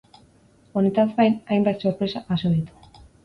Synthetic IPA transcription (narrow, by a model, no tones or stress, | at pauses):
onit̪at̪βajnajmbat̪soɾpɾesapasoðit̪u̥